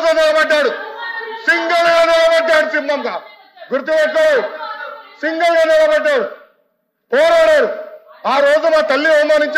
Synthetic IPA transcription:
d͡ʒɐnɛlɐbɐʈːaːɽusiŋɡɐlɡaːnɛlɐbɐʈːaːɽusimːɐmɡa | ɡuɾt̪̬ibɛʈːɐɽeːusiŋɡɐlɡaːnɛlɐbɐʈːaːɽu | pɔːɾaːɽaːɽuaːɾoːd͡ʒumaːt̪ɐlːiomːaːniɲt͡ʃ

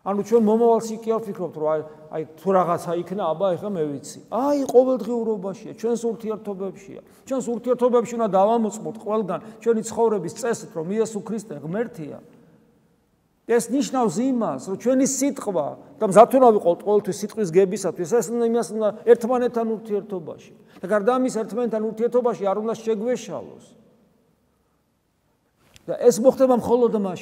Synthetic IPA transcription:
anut͡ʃʰwɛnmɔmavalˠʃikʼiavpikʰɾɔp̚t̪ʰɾɔa | a̰jt̪ʰuɾaʁat̪sʰaikʰnaːbaɛχamɛvit̪sʰi̥ajqʼɔvɛld̪ʁiuɾɔbaʃiat͡ʃʰwɛnsuɾt̪ʰiɛɾt̪ʰɔbɛpʃḭa̰ | t͡ʃʰwɛnsuɾt̪ʰiɛɾt̪ʰɔbɛpʃiund̪ad̪avamɔt̪sʼmɔt̪ʰqʼwɛlˠɡant͡ʃʰwɛnit̪sʰχɔvɾɛbist̪sʼɛsit̪ʰɾɔmiɛsukʰɾist̪ʼɛʁmɛɾt̪ʰia̰ | d̪̥aɛsniʃnafsimasɾɔt͡ʃʰwɛnisit̪ʼqʼwa̰d̪̥amzat̪ʰunaviqʼɔt̪ʼqʼɔvɛlˠt̪ʰwisːit̪ʼqʼwis̬ɡɛbisat̪ʰwisɛsumd̪aimasumd̪aɛɾt̪ʰmanɛt̪ʰːanuɾt̪ʰiɛɾt̪ʰɔba̰ʃi̥ | d̪̥aɡaɾd̪aːmisɛɾt̪ʰmanɛt̪ːʰanuɾt̪ʰiɛɾt̪ʰɔbaʃiaɾund̪aʃɛɡwɛʃa̰lˠɔ̰s | d̪̥a̰ʔɛsmɔχt̪ɛbamχɔlˠɔd̪maʃ

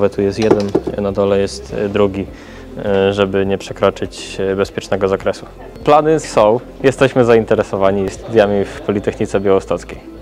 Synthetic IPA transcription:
vɛt̪ujɛst̪jɛd̪ɛnnad̪ɔlɛjɛst̪d̪ɾuɡʲi | ʐɛbɘɲɛpʂɛkɾɔt͡ʂɘt͡ɕbɛspʲjɛt͡ʂnɛɡɔzakɾɛsu | planɘsɔ̃w | jɛst̪ɛɕmɘzaint̪ɛɾɛsɔvaɲist̪ud̪ʲjamʲifpɔlʲit̪ɛxɲit̪sɛbʲjawɔst̪ɔt̪skʲej

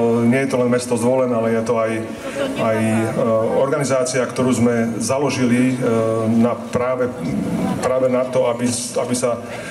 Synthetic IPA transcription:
ɲɪɛjɛt̪ɔlɛnmɛst̪ɔzʋɔlɛnɛalɛjɛt̪ɔaj | aj | ɔɾɡanizaːt͡siakt̪ɔɾuːzmɛzalɔʒili | napɾaːʋɛpɾaːʋɛnat̪ɔabi | abisa

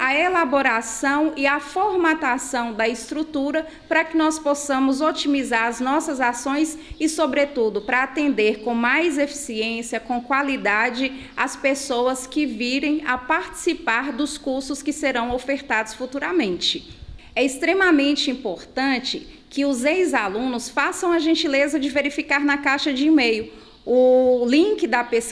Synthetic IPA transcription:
ɐelaboɾasɐ̃w̃iɐfoɾmat̪asɐ̃w̃d̪ɐɪst̪ɾut̪uɾɐ | pɾɐkɪnɔsposɐ̃mʊzot͡ʃimizaɾɐznɔsɐzasõj̃sɪsobɾet̪ud̪ʊpɾɐat̪ẽnd̪eɾkõw̃majzefi̥siẽsijɐkõkwalid̪ad͡ʒɪ | ɐspesowɐskɪviɾẽj̃ɐpaɾt͡ʃi̥sipaɾd̪ʊskuɾsʊskɪseɾɐ̃w̃ofeɾt̪ad̪ʊsfut̪uɾɐmẽnt͡ʃɪɛist̪ɾemɐmẽnt͡ʃɪĩpoɾt̪ɐ̃t͡ʃɪkɪʊzejzalũnʊsfasɐ̃w̃ɐʒẽnt͡ʃilezɐd͡ʒɪveɾifikaɾnɐkaʃɐd͡ʒɪimejʊ | ʊlĩkɪd̪ɐpes

